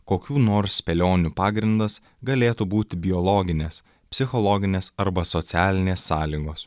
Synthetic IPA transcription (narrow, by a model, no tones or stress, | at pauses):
koːkʲuːnoːɾspʲɛlʲoːnʲupɑːɡɾʲɪnd̪ɐs | ɡɐlʲeːt̪ubuːt̪ʲɪbʲɪjɔlˠoːɡʲɪnʲeːs | pʲsʲɪxɔlˠɔːɡʲɪnʲeːsɐɾbɐsɔt̪sʲæːlʲɪnʲeːsːɑːlʲiɡoːs